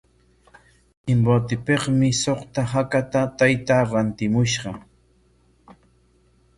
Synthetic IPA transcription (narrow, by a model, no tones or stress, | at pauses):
ɪmbot̪ɪpeχmɪsoχt̪aɦakat̪at̪ajt̪aɾant̪ɪmʊʃɢɑ